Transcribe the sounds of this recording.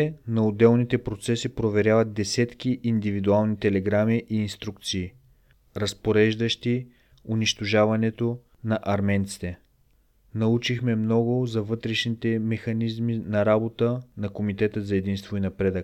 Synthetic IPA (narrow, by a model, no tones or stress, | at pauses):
ɛnɐod̪ɛlˠnit̪ɛpɾot̪sɛsipɾovɛɾjavɐt̪̚d̪ɛsɛt̪k̟iʔːnd̪ivid̪ualˠnit̪ɛlɛɡɾamiʔiːnst̪ɾukt̪siː | ɾɐspoɾɛʒd̪əʃt̪i | ʊniʃt̪oʒavɐnɛt̪o | nɐʔɐɾmɛnt̪si̥t̪ɛ | nɐut͡ʃixmɛmnɔɡʊzɐvɤt̪ɾɛʃnit̪ɛmɛxɐnizminɐɾabot̪ənɐkomit̪ɛt̪əzɐɛd̪inst̪voinɐpɾɛd̪ək